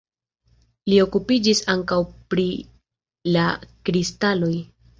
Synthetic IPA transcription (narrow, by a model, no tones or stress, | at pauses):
lio̞kupid͡ʒisaŋkawpɾi | lakɾistalo̞j